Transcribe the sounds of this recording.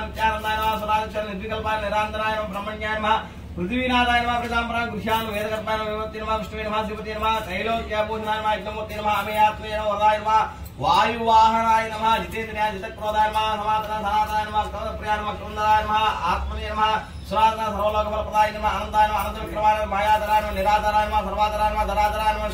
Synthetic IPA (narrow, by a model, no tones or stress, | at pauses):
nt̪jaːnɐnd̪aːjnɐmɐsuɾaːd̪it͡ʃaːnnid̪ʋikɐlpaːɐniɾaːnd̪ɐnaːjɐnɐmɐbɾɐmːɐɲjaːjɐnɐmɐɦɐ | pɾɨt̪iʋiːnaːd̪aːjɐnɐmapɾɐt̪aːmpɐnaːnɡɾuʃjaːnɐʋeːd̪ɐkɐɾpaːjɐnɐmɐʋiʋɐt̪ːiːnɐmɦɐʋiʂʈɐʋeːnɐmɦɐsimɐt̪iːnɐmɦɐkɐjloːnt̪jaːbuːʃɐnaːjɐnɐmɐɦɐikːɐmuːɾt̪ːiːnɐmɐɦɐɐmeːjaːt̪mɐjɐnɐmɐʋɐɾd̪aːjɐnɐmɦɐ | ʋaːjuʋaːɦɐnaːjɐnɐmɦɐd͡ʒit̪eːt̪ɐnjaːnd͡ʒɐt̪ɐk̚pɾoːd̪aːjɐnɐmɐsɐmaːt̪ɐnaːsɐnaːt̪ɐaːjnmɐkɾɐʋɐt̪ɐpɾɐjaːɐnɐmɐkɐnd̪ɾaːjɐnɐmɐɦɐa̰ːt̪mɐnijɐnɐmɦɐ | suɾaːt̪ɐnaːsɐɾʋɐloːkʰɐpɐlɐpɾɐd̪aːjɐnɐmɦɐɐnɐnd̪aːjnɐmɐɐnɐnd̪ɐʋɐkɾɐmaːjnɐmɐbʱaːjaːt̪aɾaːjɐnɐmɐniɾaːt̪aːɾaːjɐnɐmɦɐsɐɾʋaːt̪aɾaːjɐnɐmɐd̪ɐɾaːt̪ɐɾaːjɐnɐmɐ